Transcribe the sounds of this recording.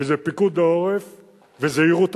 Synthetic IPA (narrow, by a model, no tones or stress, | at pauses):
ezepikud̪̚deoʁef | vezeiʁut̪